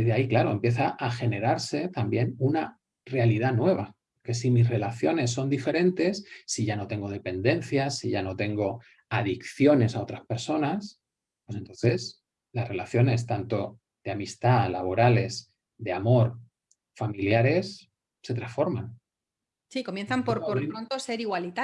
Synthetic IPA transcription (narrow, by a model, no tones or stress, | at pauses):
ðeaiklaɾo̞e̞mpje̞θaʔaxe̞ne̞ɾaɾse̞t̪ambje̞nuna | re̞aliðanwe̞β̞a | ke̞simisre̞laθjo̞ne̞s̬ːo̞nd̪ife̞ɾẽ̞nt̪e̞sːiʝano̞t̪e̞ŋɡo̞ð̞e̞pe̞nd̪e̞n̟θjasiʝano̞t̪e̞ŋɡo̞ | aðikθjo̞ne̞sao̞t̪ɾaspe̞ɾso̞nas | pwe̞se̞nt̪o̞nθe̞s | lasre̞laθjo̞ne̞st̪ant̪o̞ | ð̥eamist̪alaβo̞ɾale̞s | d̪e̞amo̞ɾ | familjaɾe̞s | se̞t̪ɾasfo̞ɾman | siko̞mje̞nθampoɾpoeɾont̪ose̞ɾiɣwalit̪a